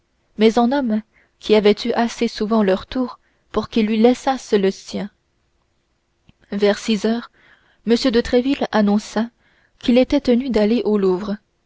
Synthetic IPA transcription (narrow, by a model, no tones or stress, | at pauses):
mɛzɛ̃nɔm | kʰʲiavɛt̪ʰyʔasesuvɑ̃lœʁt̪uːʁ | puʁkilːɥilɛsasləsjɛ̃ | vɛʁsizœːʁ | məsjød̪ət̪χɛvilanɔ̃sa | kʰilet̪ɛt̪ənyd̪aleʔoluːvʁə